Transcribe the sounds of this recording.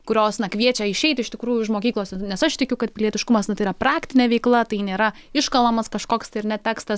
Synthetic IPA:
kʊɾʲoːsnɐkʋʲiɛt͡ʃʲɛɪʃʲɛɪt̪ʲɪʃt̪ʲɪkɾuːjʊɪʃmoːkʲiːklˠoːsʲɛnʲɛsɐʃt̪ʲɪkʲʊkɐt̪̚pʲɪlʲiɛt̪ʲɪʃkʊmɐsnɐt̪ɐɪiːɾɐpɾɑːkt̪ʲɪnʲeːʋʲɛɪklˠɐt̪ɐɪnʲeːɾɐ | ɪʃkɐlˠɐmɐskɐʃkoːkst̪ɐɪɪrnʲɛt̪ʲæːkst̪ɐs

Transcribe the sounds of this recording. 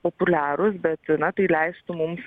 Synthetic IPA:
populʲæːɾʊs̬bʲɛt̪nɐt̪ɐɪlʲæɪst̪ʊmʊms

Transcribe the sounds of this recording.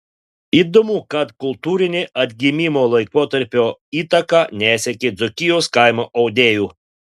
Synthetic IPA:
iːd̪omuːkɐt̪kʊlˠt̪uːɾʲɪnʲɪʔɐd̪ʲɡʲɪmʲimoːlˠɐɪkoːt̪ɐɾʲpʲoːiːt̪ɐkɑnʲæːsʲɛkʲɪd̪zɔkʲɪjoːskɐɪmoːʔɐʊd̪ʲeːjuː

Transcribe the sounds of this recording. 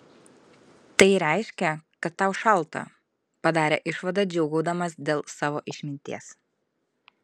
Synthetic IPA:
t̪ɐɪɾʲɛɪʃʲkʲɛkɐt̪ːɑˑʊʃɐlˠˑt̪ɐ̰ | pɐd̪ɑːɾʲḛːʔɪʃʋɐd̪ɐd͡ʒʲɛʊɡɐʊd̪ɐmɐsd̪ʲeːlˠsɑːʋoːʔɪʃʲmʲɪnʲt̪ʲiɛs

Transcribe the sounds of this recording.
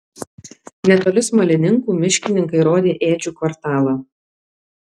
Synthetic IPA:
nʲɛt̪oːlʲɪsmɐlʲɪnʲɪŋkuːmʲɪʃʲkʲɪnʲɪŋkɐɪɾoːd̪ʲeːʔeːd͡ʒʲuːkʋɐɾt̪ɑːlˠɐ

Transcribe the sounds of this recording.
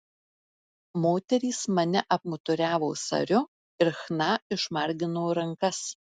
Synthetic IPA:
moːt̪ʲɛɾʲiːsmɐnʲɪʔɐp̚mʊt̪ʊɾʲæːʋoːsɐ̰ɾʲʊ | ɪɾxnɑɪʃmɐɾʲɡʲɪnooːɾɐŋˑkɐs

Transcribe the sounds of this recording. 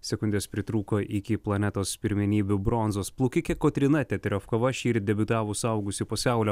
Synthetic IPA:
sʲɛkʊnʲd̪ʲeːspʲɾʲɪt̪ɾuːkoːʔɪkʲɪplˠɐnʲɛt̪oːspʲɪɾʲmʲɪnʲiːbʲʊbɾɔnzoːsplˠʊkʲɪkʲɛkoːt̪ʲɾʲɪnɐt̪ʲɛt̪ʲɾʲoːfkɐʋɐʃʲiːɾ̚ʲd̪ʲɛbʲʊt̪ɑːʋʊsɐˑʊɡʊsʲɪpoːsʲæˑʊlʲɛ

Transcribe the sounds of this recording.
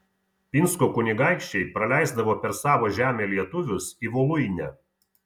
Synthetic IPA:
pʲɪnskoːkʊnʲɪɡɑˑɪkʃʲt͡ʃʲɛɪpɾɐlʲæˑɪzd̪ɐʋoːpʲɛɾsɑːʋoːʒʲæːmʲeːlʲiɛt̪ʊʋʲʊsiʋɔlˠʊjnʲɛ

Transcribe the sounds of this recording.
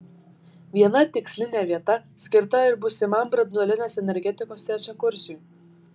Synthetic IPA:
ʋʲiɛnɐt̪ʲɪksʲlʲɪnʲeːʋʲiɛt̪ɐsʲkʲɪɾt̪ɐɪɾbʊsʲɪmɐmbɾɐd̪nɔlʲɪnʲeːsɛnʲɛɾʲɡʲɛt̪ʲɪkoːst̪ʲɾʲæt͡ʃʲɛkʊɾʲsʲuj

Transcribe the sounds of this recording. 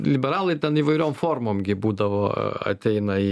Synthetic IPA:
lʲɪbʲɛɾɑːlˠɐɪt̪ʲɛniːʋɐɪɾʲoːmfoːrmoːmɡʲɪbuːd̪ɐʋo̰ːɐ̰t̪ʲɛɪnɐi

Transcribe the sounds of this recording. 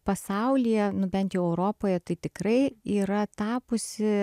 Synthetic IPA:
pɐsɐʊlʲiːjɛnʊbʲɛnt̪jɛʊɛʊɾoːpoːjɛt̪ɐɪt̪ʲɪkɾɐɪiːɾɐt̪ɑːpʊsʲɪ

